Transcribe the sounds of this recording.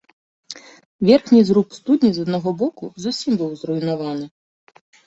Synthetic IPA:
vʲɛrxnʲizɾupst̪ud̪ʲnʲizɐd̪naɣɔbɔkuzusʲimbɨwzruinavanɨ

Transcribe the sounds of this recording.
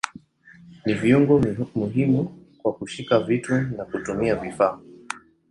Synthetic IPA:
niviuŋɡɔmuɦimu | kwakuʃikavitunakutumiavifaː

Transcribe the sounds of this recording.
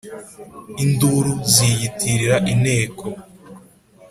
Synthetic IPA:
induɾuzijitʰiɾiɾaʔine̞ːkʰo

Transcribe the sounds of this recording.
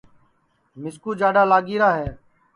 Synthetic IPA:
mɪskuːd͡ʒaːɖaːlaːɡiːɾaːɦɛː

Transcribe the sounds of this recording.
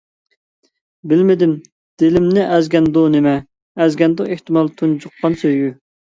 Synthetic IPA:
bɪlmɪd̪ɪm | d̪̥ɪlɪmnɪʔɛzɡʲɛnd̪unɪmɛː | zɡʲɛnd̪ʊeht̪ɪmɑlˠt̪ʰund͡ʒuqːɑnsøjjy

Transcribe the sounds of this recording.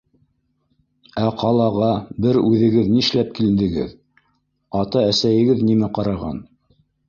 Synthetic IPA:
æqʰɑlˠɑʁɑbɘɾʉðɘ̆ɡɘðnĭʃlæp̚kilɘ̆nd̪ɘ̆ɡɘ̰ð | ɑt̪ɑæsæjɘ̆ɡɘðnimæqɑɾɑʁɑ̰n

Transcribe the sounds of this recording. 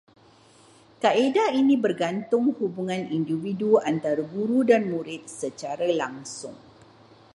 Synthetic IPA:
kaedainĩbərɡant̪ʊŋhubuŋãnindividuant̪aɾaɡuɾudanmuɾɪt̪̚sət͡ʃaɾalaŋsʊ̰ŋ

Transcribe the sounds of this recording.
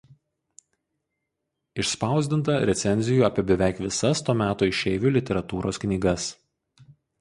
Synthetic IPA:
ɪʃspɑˑʊzʲd̪ʲɪnt̪ɐɾʲɛt̪sʲɛnʲzʲɪjuːɐpʲiɛbʲɛʋʲæˑɪkʋʲɪsɐst̪oːmʲæːt̪oːɪʃʲɛɪʋʲuːˑlʲɪt̪ʲɛɾɐt̪uːɾo̰ːsknʲiːɡɐs

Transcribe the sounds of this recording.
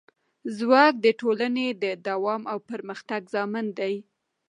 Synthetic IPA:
zwɑk̚d̪əʈolaned̪əd̪awɑmawpəɾməxt̪aɡzɑmɪnd̪aj

